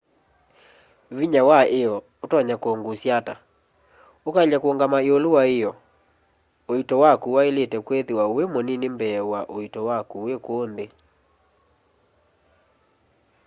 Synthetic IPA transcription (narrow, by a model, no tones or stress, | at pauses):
βiɲawaeɔ | otwaɲakoŋɡosjata | okaʎakwoŋɡamaeolowaejɔ | oitɔwakuwaeletɛkweðewaowemɔninembɛwaʔoitɔwakuwekoːnðe